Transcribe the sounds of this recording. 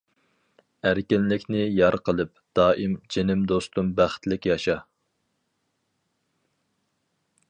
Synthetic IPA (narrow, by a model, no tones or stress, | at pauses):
æɾkʲɪnlɪkʲnɪjɑɾqʰəlˠɨp̚ | d̪̥ɑːʔimd͡ʒenɪmd̪ost̪umbæχt̪lɪkʲjɑʃɑ